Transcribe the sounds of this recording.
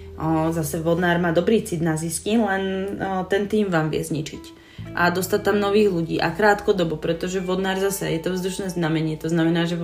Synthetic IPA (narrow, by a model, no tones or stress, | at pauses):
zasɛʋɔd̪naːɾmaːd̪ɔbɾiːt͡sid̪naziscimlɛnt̪ɛnt̪iːmʋaːmʋɪɛ̰zɲit͡ʃic | ʔa̰d̪ɔst̪att̪amnɔʋiːɣluɟiːʔakɾaːt̪kɔd̪ɔbɔpɾɛt̪ɔʒɛʋɔd̪naːɾzasɛjɛt̪ɔvzd̪uʃnɛːznamɛɲɪɛt̪ɔznamɛnaːʒɛ